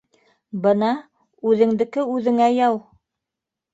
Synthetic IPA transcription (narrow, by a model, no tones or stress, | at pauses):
bɤnɑ | ʉðɘ̆ŋd̪ɘ̆kɘʉðɘ̆ŋæjɑw